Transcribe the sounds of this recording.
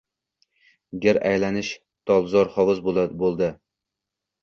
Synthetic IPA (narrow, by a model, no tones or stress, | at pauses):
ɡʲɪɾæjlænɪʃ | t̪ʰɑlˠzɑɾχɑwɨzbbolˠd̪ɨ